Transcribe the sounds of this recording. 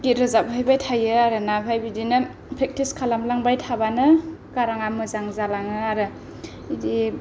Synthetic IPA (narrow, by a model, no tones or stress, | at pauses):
ɡitɾɯzap̚pʰajbajtʰajɯaɾɯnapʰajbidinɯ | pʰɾek̚tiskʰalamlaŋbajtʰabanɯkaɾaŋamɯzaŋzalaŋɯaɾɯ | idi